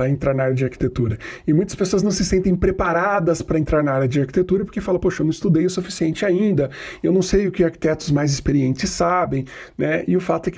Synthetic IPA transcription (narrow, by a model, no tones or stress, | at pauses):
ɾɐẽnt̪ɾaɾnaaɾjɐd͡ʒɪaɾki̥t̪et̪uɾɐɪmũj̃t̪ɐspesoɐznɐ̃w̃sɪsẽnt̪̬ẽj̃pɾepaɾad̪ɐspɾɐẽnt̪ɾaɾnaaɾjɐd͡ʒɪaɾki̥t̪et̪uɾɐpoɾkefalɐpoʃɐewnɐ̃w̃ɪst̪ud̪ejʊsufisiẽnt͡ʃɪaĩnd̪ɐewnɐ̃w̃sejʊkɪaɾki̥t̪ɛt̪ʊzmajzɪspeɾiẽnt͡ʃɪsːabẽj̃nɛɪʊfat̪ʊɛkɪ